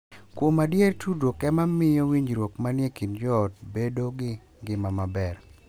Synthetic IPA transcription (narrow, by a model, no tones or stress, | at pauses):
kwomadjertʰudokɛmamɪjɔwiɲd͡ʒɾwokmanjekind͡ʒɔt̚bedoɡɪ | ɡɪmamabɛr